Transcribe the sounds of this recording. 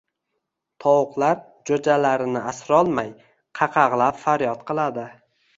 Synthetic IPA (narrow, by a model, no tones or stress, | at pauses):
t̪ʰɒwʊqlˠaɾ | d͡ʒod͡ʒalaɾɪnɪasɾɒlˠmaj | qʰɑqʰɑʁlˠapfaɾjɒt̪qʰɨlˠad̪ɪ